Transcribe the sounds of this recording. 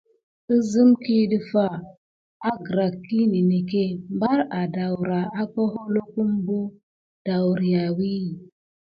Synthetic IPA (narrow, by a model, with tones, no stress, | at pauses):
ə˦zə˦mki˦di˦fa˦ | a˦ɡɾa˨kːi˦ni˨ne˨ke˦mba˦ɾa˨da˨wɾa˨a˦ko˦ɦo˦lo˦ku˦mbo˦ | d̥a˨wɾi˨ja˨wi˦˨